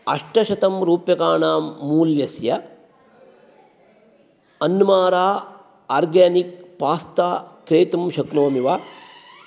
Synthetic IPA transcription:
ɐ̰ʂʈɐʃɐt̪ɐmɾuːpjɐkaːɳaːmːuːljɐsjɐ | ɐnːmaːɾaː | aːɾɡaːnik̚paːst̪aːkɾeːt̪ɐmʃɐknoːmiʋaː

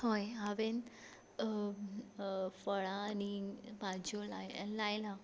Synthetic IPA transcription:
hojaʋen | fəɭãːnibad͡ʑolalajlã

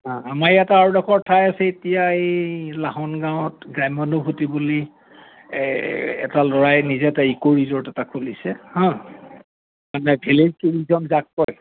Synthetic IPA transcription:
ɦãamaɹjataːɹudɔkʰɔɹtʰajasɛetijaelaɦɔnɡaw̃ɔtɡɹamɔnubʰʱutibuli | ɛ̰talɔɹajnizɛtaikoɹizɔɹtɛtakʰolisɛhɔ̃ | manɛbʱelezkuɹizɔmzakːɔj

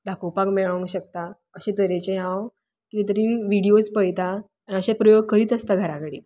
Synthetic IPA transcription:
d̪ʱakopakmeɭəŋɕək̚t̪a | əɕẽt̪əɾet͡ɕeɦãw | kiit̪̬əɾiʋiɽijot͡spəjt̪a | aniəɕepɾəjoɡ̚kəɾiːt̪əst̪aɡʱəɾakəɽḭː

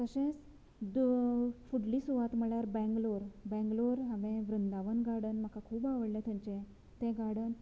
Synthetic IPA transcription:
t̪əɕẽt͡s | d̪fuɽliːsuʋat̪m̤əɭjaɾbɛ̃ŋɡloɾbɛ̃ŋɡloɾɦãʋẽʋɾənd̪aʋənɡaɽənm̤akakʰuːbaʋəɽlət̪ʰə̃ɲt͡ɕẽ | t̪ẽɡaɽən

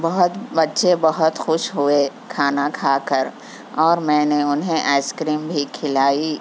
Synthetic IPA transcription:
bɐɦʊt̪bɐtːʃebɐɦʊt̪xʊʃɦʊe | kʰaːnakʰaːkəɾ | ɔːɾmɛ̃ːneʊnɦẽʔaɪskɾiːmbʱikʰɪlaːi

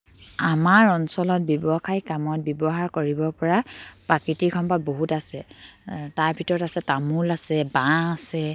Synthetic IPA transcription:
amaɹɔnsɔlɔt̚bjɔbɔxajkamɔt̚bjɔbɔɦaɹkoɹibɔpɔɹapakitikʰɔmpat̚boɦutasɛ | taɹbʱitɔɹɔtasɛtamulasɛbãasɛ

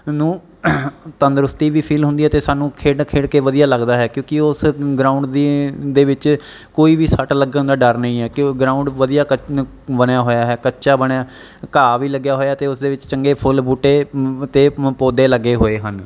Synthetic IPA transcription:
nũː | t̪ənd̪ɾʊst̪iːʋiːpʰiːlɦʊ̃nd̪iːɛːt̪eːsaːnũːkʰeːɽkʰeːɽkeːʋəd̪ijaːləɡd̪aːɦɛːkjõːkɪʊsɡɾãːʊɳɖd̪id̪eːʋɪt͡ʃ | koːiːʋiːsəʈləɡə̃d̪aːɖəɾnəĩːɦɛːkɡɾãːʊ̃ɳɖʋəd̪ijaːkə | bəɽjaːɦoːjaːɦɛːkətːʃaːbəɳjaː | kaːʋiːləɡjaːɦoːjaːt̪eːʊsd̪eːʋɪt͡ʃt͡ʃəŋɡeːpʰʊlbuːʈːeːt̪eːpoːd̪eːləɡːeːɦoːeːɦən

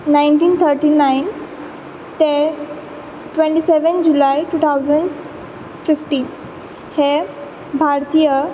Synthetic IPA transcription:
najnʈiːnt̪ʰəɾʈinain | t̪e | ʈʋẽɳʈiseʋənd͡ʑulajʈuːt̪ʰawd͡zəɳɖ | fifʈiːn | he | bʱaɾt̪ijə

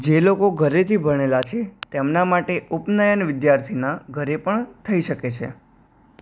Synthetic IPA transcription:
d͡ʒelokoɡʱəɾet̪ʰibʱəɽ̃elat͡ʃʰet̪emnamaʈeʔupnəjənʋɪd̪jaɾt̪ʰinaɡʱəɾepəɳt̪ʰəiʃəket͡ʃʰe

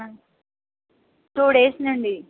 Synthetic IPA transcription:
t̪oːɽeːsnəɳɖiː

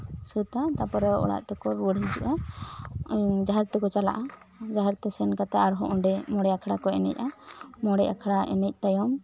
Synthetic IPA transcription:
sut̪at̪apɔɾɔɔ̰ɽa̰ʔt̪ɛkɔɾwəɽɦid͡ʒuʔa | d͡ʒaɦaɾt̪ɛkɔt͡ʃala̰ʔa | d͡ʒaɦaɾt̪ɛsɛnkat̪aʔaɾɦɔʔɔ̃ɖɛmɔɽɛakʰɽakɔɛnɛ̰c̚amɔɽɛja̰kʰaɽaʔɛ̰nɛc̚ˀt̪ajɔm

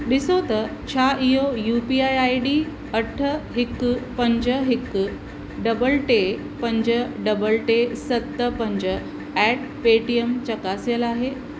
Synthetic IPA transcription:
ɗɪsot̪ɐt͡ɕʰaʔijojuːpiaːjaːiɖiː | ɐʈʰəɦɪkːpɐ̃ɲd͡ʑəɦɪkː | ɖɐbəlʈe | pɐ̃ɲd͡ʑəɖɐbəlʈesɐt̪ːəpɐ̃ɲd͡ʑə | ɛʈ̚ | peːʈiemt͡ɕɐkasjəlaːɦe

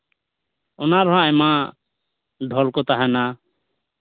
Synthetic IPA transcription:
ɔnaɾɔɦãɛma | d̪ʱɔlkɔt̪aɦana

